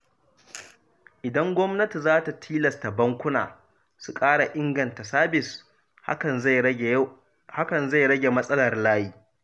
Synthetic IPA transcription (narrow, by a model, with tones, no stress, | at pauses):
ʔɪ˨dɐ˦ŋɡʷɔ˦mnɐ˦ti˨zaː˦ta˨tʰiː˦lɐ˨sta˨bɐ˦ŋkʷʊ˦na̰ː˨ | su˨kʼaː˦ɽa˨ʔɪ˦ŋɡɐ˨nta˨saː˦bɪ˨s | ha˦kɐ˨nza˦˨j | ha˦kɐ˨nza˦˨jɽɐ˦ɡʲe˨mɐ˦sʼɐ˦lɐ˨rlaː˦jiː˦